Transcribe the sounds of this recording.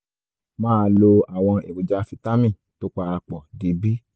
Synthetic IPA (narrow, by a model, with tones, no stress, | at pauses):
mãː˦˧˦lo˧a˨w̃ɔ̃˧ḛ˨bu˨d͡ʒa˦fi˧ta˦mĩ˦˨ | to˦k͡pa˧ɾa˧k͡pɔ˨di˨˦bi˦